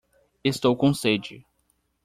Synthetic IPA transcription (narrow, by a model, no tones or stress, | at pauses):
est̪owkõsed͡ʒɪ̰